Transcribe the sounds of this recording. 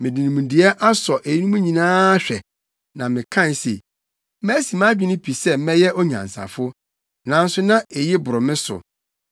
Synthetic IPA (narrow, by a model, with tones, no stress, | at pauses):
mɪ̃˨dɪ̃˨nĩ˨mũ˨n˨dɪ˨ɛ˦ʔa˦sɔ˨ʔe˨ji˦nũ˦mũ˦ɲĩ˨nãː˦ɕᶣɛ˨ | nã˨mɪ̃˨kʰã˦˨n˦sḛ˨ | mæ˦si˨mã˦d͡ʑᶣi˦nʊ̃˦pʰi˨sɛ˦mɛ˦jɛ˦ʔo˦ɲã̰˨n˨sa̰˨fʊ˦ | nã˨˦n̩˦sʊ˦nã˦e˨jɪ˦bʊ˨ɾʊ˨mɪ̃˦sʊ̰˨